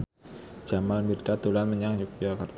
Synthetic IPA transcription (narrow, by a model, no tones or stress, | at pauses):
d͡ʒ̥amalmirdat̪ulanməɲaŋd͡ʒuk̚iokərt̪